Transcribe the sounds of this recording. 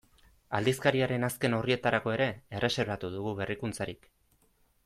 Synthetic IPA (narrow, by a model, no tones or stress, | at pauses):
ald̪iskaɾiaɾe̞naske̞no̞rie̞t̪aɾako̞e̞ɾe̞erʔe̞se̞ɾβat̪uðuɣuβe̞rikunt͡saɾik